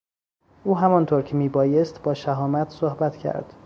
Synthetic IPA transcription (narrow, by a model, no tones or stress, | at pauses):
ʔuːɦæmɒnt̪ʰoɾcʰemiːbɒːje̞st̪bɒːʃæɦɒːmæt̪ʰsohbæt̪ʰcʰæ̰ɾd̪̥